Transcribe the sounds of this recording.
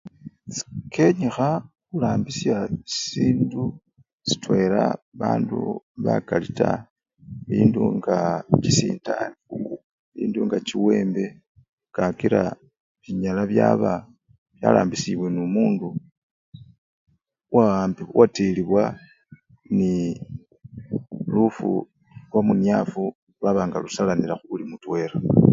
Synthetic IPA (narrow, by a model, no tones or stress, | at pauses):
kʰe̞ɲixa | kulaːmbisjaisiːndu | si̥twe̞laβaːnduβakalita | iːnduŋɡat͡ʃisiːndaniu | iːnduŋɡat͡ʃiwe̞ːmbe̞ | kakiɾa̰ | βiɲalaβjaβa | βja̰ːlaːmbisiβwe̞numuːndu | waaːmbiwʔateliβwa | ni | lufṵ | lwamunjafu | lwaβaːŋɡalusalanilaxuulimutwe̞ɾa